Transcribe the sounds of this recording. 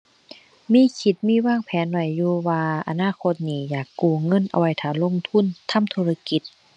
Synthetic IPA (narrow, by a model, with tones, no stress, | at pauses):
miː˧˥˨kʰi˧˩t̪̚miː˧˥˨waː˧˥˨ŋpʰɛː˨˦nwa˧˩jːuː˧waː˧ʔa̰˧naː˧˨kʰo˧t̪̚niː˧˩jaː˨˩kːuː˧˩ŋɤ˧˥˨nʔa̰˧wa˧˩jt̪ʰaː˧˩lo˧˥˨ŋt̪ʰu˧˥˨nt̪ʰa˧˥˨mt̪ʰu˧˨la˧ki˧˦t̪̚